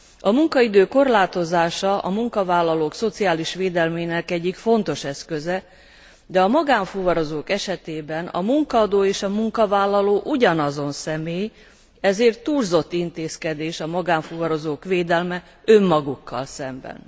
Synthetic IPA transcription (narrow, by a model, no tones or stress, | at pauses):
ɒmuŋkɒid̪øːko̞rlaːt̪o̞zaːʃɒʔɒ̰muŋkɒvaːlːɒloːkso̞t̪siaːliʃʋeːd̪ɛlmeːnɛkɛɟːikfo̞nt̪o̞ʃɛskøzɛ | d̪ɛɒmɒɡaːɱfuvɒɾo̞zoːkɛʃɛt̪eːbɛnɒ̰muŋkɒɒd̪oːeːʃɒmuŋkɒvaːlːɒloːʔuɟɒnɒzo̞nsɛmeːj | ɛzeːrt̪ːuːrzo̞t̪ːint̪eːskɛd̪eːʃɒmɒɡaːɱfuvɒɾo̞zoːkʋeːd̪ɛlmɛ | ømːɒɡukːɒ̰lsɛmbɛ̰n